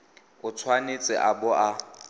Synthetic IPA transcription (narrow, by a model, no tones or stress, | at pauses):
ʊt͡sʰwanɪt͡sʼɪ̰ʔabʊʔa